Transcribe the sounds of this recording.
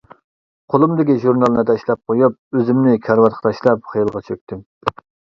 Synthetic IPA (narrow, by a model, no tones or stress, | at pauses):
qʰolˠumd̪ɪkʲiʒuɾnɑlˠnɨd̪ɛʃlˠɛp̚qʰojup̚øzɪmnɪkʲʰæɾwɑt̪χə̥t̪ʰɑʃlˠɑpχəjɨlˠʁɑt͡ʃʰøk̚ʲt̪ʰɪm